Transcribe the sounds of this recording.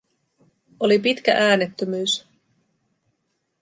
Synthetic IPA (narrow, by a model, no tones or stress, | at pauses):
olipit̪k̟æ̰ʔæːnet̪ːømyːs